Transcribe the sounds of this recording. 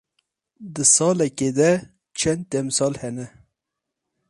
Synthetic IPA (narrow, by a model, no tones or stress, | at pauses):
d̪ɨsɑːlɛked̪ɛ | t͡ʃʰɛnd̪̚t̪ɛmsɑːlhɛnɛ